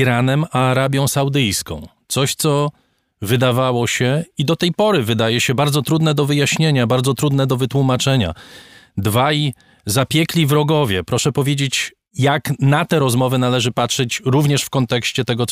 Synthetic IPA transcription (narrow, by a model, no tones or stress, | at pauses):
iɾanɛmaːɾabʲjɔ̃w̃sawd̪ɘjskɔ̰̃w̃t̪sɔɕt̪sɔ | vɘd̪avawɔɕɛid̪ɔt̪ɛjpɔɾɘvɘd̪ajɛɕɛbaɾd̪zɔt̪ɾud̪nɛd̪ɔvɘjaɕɲeɲabaɾd̪zɔt̪ɾud̪nɛd̪ɔvɘt̪wumat͡ʂɛɲa̰d̪vaj | zapʲjɛklʲivɾɔɡɔvʲjɛpɾɔʂɛpɔvʲjed͡ʑet͡ɕ | jaknat̪ɛɾɔzmɔvɘnalɛʐɘpatʂɛt͡ɕɾuvɲɛʂfkɔnt̪ɛkɕt͡ɕɛt̪ɛɡɔ